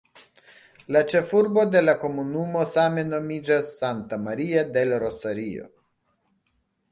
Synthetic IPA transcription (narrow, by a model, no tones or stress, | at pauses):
lat͡ʃe̞fuɾbo̞d̪e̞lako̞munumo̞same̞no̞mid͡ʒasːant̪amaɾiad̪e̞lɾo̞saɾio̞̰